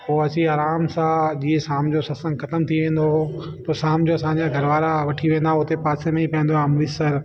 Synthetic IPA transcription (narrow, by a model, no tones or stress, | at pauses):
poːɐt͡ɕiaːɾaːmsaːd͡ʑiesaːmd͡ʑosɐsə̃ŋɡxɐt̪əmt̪ʰiʋẽːn̆d̪o | t̪ɐsaːmd͡ʑoɐsãːɲd͡ʑaɡʱɐɾʋaːɾaʋɐʈʰiʋẽːnd̪aɦʊt̪epaːsemẽipɐ̃ːnd̪oamʋɪsəɾ